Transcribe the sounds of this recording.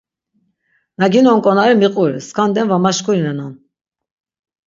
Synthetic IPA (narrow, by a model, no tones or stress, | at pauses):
naɡinɔŋkʼɔnaɾimiqʼuɾḭskʰand̪ɛnvamaʃkuɾinɛnan